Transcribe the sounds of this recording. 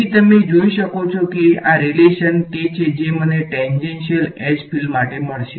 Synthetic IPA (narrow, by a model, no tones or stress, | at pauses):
it̪əmed͡ʒoiʃəkot͡ʃʰokeaɾileʃənket͡ʃʰed͡ʒeməneʈɛnɖenʃiəled͡ʒpʰilmaʈeməɭʃe